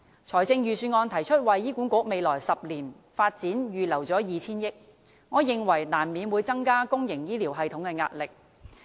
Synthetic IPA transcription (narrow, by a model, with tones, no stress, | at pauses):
t͡ʃʰɔː˨˩jt͡sɪ˧ŋjyː˨˩syː˧ŋɔː˧nt̪ʰɐ˨˩jt͡ʃʰɵ˥t̚wɐ˨jjiː˥kʷuː˨˥nkʷʊ˨˥k̚me˨˧jlɔː˨˩jsɐ˨p̚liː˨˩n | faː˧t̚t͡siː˨˥njyː˨˩lɐ˨˩wt͡sɔː˨˥jiː˨˧t͡sʰiː˥njɪ˥k̚ | ŋɔː˨˧jɪ˨ŋwɐ˨˩jnaː˨˩nmiː˨˧nwuː˨˧jt͡sɐ˥ŋkaː˥kʊ˥ŋjɪ˨˩ŋjiː˥liː˨˩wɦɐ˧jt̪ʰʊ˨˥ŋkɛ˧ŋa̰ː˧t̚lɪ˨k̚